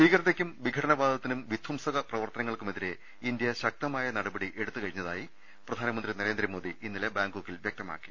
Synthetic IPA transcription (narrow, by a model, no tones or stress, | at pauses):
iːkɐɾɐt̪ːekʲːumʋiɡʱɐʈɐnɐbaːd̪ʱɐt̪ːinumʋid̪ʱwɐmsɐɣɐprɐʋɐrt̪ɐnɐŋːɐɭkumeðiɾe̞ | ind̪jɐɕɐk̚t̪ɐmaːjɐnɐɽɐbɐɽiʔe̞ɽut̪ːɨkɐɻiɲːɐðaːji | prɐd̪ʱaːnɐmɐnd̪rinɐɾe̞ːnd̪rɐmo̞ːd̪iʔinːile̞baːŋɡoːkːilʋjeɐk̚t̪ɐma̰ːkːi̥